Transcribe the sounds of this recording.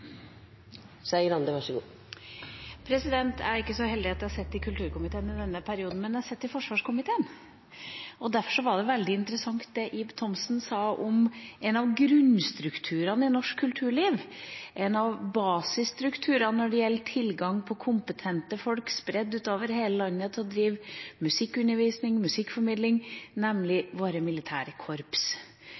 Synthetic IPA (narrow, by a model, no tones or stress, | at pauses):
sæɪəɾɑnd̪əʋæʂəɡṵː | pʰɾɛsɪd̪ɛnt̪ʰæɾɪkːəsɔhɛld̪ɪɑt̪d̪ɛhæɾsɛt̪ːɪkʰʉlt̪ʰʉːɾkʊmɪt̪ʰeːənɪd̪ɛnːəpʰæɾɪuːd̪n̩mɛnjæhɑsɛt̪ːɪfɔʂʋɑːʂkʊmɪt̪ʰeːən | ɔd̪æɾfɔʂɔʋɑɖɛʋɛld̪ɪɪnt̪əɾəsɑŋt̪̚d̪ɛʔɪbt̪ʰɔmsnsɑːʔɔmɛnɑʋɡɾʉnst̪ɾʉkt̪ʰʉːɾɑnɪnɔʂkʰːʉlt̪ʰʉːɭiːʋʔɛnɑʋbɑːsɪst̪ɾʉkt̪ʰʉːɾɑnɔɖɛjɛlːt̪ʰɪlɡɑŋpʰɔkʰʊmpət̪ʰɛnt̪əfɔlkspɾɛd̪ːʉːt̪oːʋəɾheːləlɑnːət̪ʰɪɔd̪ɾiːʋmʉsɪkːʉnːəɾʋiːsnɪŋmʉsɪkːfɔɾmɪːd̪lɪŋnɛmlɪʋoːɾəmɪlɪt̪ʰæ̰ːɾəkʰɔɾps